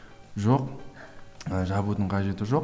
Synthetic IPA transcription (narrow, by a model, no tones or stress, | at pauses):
ʒo̞q | əʒɑβut̪əɴqʰɑʒe̞t̪ɪʒo̞q